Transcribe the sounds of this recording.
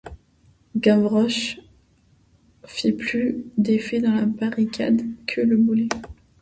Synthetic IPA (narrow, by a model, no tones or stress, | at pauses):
ɡãvʁɔʃ | fiplyd̪efed̪ɑ̃labaʁikʰʲa̰d̪kʰələbule